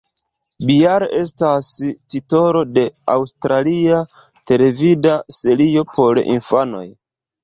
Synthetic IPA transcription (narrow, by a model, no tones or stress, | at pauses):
bijaɾʔe̞stastito̞ɾo̞de̞a̰wstɾalia | te̞le̞vidase̞lio̞pʰo̞ɾḭnfano̞̰j